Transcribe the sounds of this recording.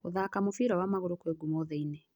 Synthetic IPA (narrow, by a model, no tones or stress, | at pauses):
oðakamofiːɾawamaɣoɾokweɡumɔðeine